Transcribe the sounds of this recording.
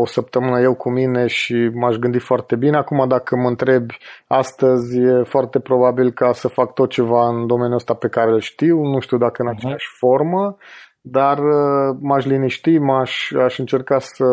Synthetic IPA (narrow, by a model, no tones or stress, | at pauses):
osəp̚t̪əmɨnəje̞wkumine̞ʃimaʃɡɨnd̪it̪foart̪e̞bine̞akumad̪akəməɨnt̪ɾe̞bʲast̪əzʲjefoart̪e̞pɾo̞babilkasəfak̚t̪o̞t̪̚t͡ʃe̞vaɨnd̪o̞me̞njuəst̪ape̞kaɾelʃt̪iwnuʃt̪iuwd̪akəɨnat͡ʃejaʃʲfo̞rmə | d̪arəmaʃliniʃt̪imaʃʲaʃɨnt͡ʃe̞rkasə